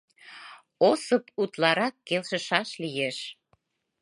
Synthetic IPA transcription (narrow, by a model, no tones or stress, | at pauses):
osəput̪lɑɾɑkːelʃə̆ʃɑʃlijeʃ